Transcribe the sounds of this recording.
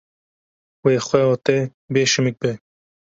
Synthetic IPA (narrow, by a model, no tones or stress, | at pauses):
weːxʷwɛɔːt̪ɛ | beːʃɨmɨk̚bɛ